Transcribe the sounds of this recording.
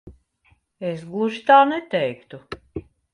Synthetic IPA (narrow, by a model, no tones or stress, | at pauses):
esɡlˠuʒit̪aːnɛt̪ɛjkt̪u